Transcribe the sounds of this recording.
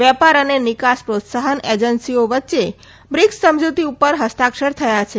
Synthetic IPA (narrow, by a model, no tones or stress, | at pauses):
ʋɛpaɾənenɪkaspɾot̪saɦəned͡ʒənsioʋətːʃe | bɾɪksəmd͡ʒut̪iupəɾɦəst̪akʃəɾt̪ʰəjat͡ʃʰe